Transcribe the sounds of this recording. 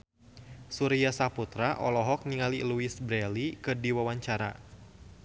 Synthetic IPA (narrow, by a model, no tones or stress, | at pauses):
suɾiasaput̪ɾaʔɔlɔɦɔk̚niŋaliluisbɾɛlikɨdiwawaɲt͡ʃaɾa̰